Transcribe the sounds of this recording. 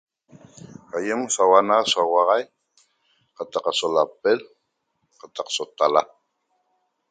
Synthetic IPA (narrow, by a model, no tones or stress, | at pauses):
ajəmsawanasoawaʁɑj | qɑt̪ɑqasolapel | qɑt̪ɑqsot̪ala